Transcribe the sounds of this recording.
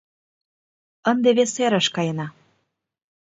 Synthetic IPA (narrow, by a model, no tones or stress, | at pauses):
ənd̪eβeseɾə̆ʃkɑjənɑ